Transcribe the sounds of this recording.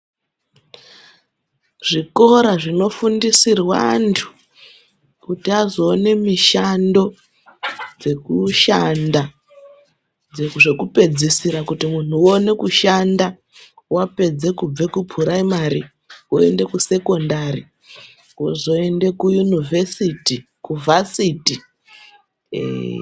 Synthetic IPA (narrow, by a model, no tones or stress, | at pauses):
ʐ̥iko̞ɾaʐino̞fundisirwa̰ːntʰu̥ | kutiazo̞ːne̞miʃando̞ | d͡ze̞kuʃanda | d͡zeʐe̞kupe̞d͡zisiɾakutimun̤uone̞kuʃanda | wape̞d͡ze̞kub͡ve̞kupʰuɾaimaɾi | woe̞̰nde̞kuse̞ko̞ndari | wozo̞e̞nde̞kujunivʱesitikuvʱasiti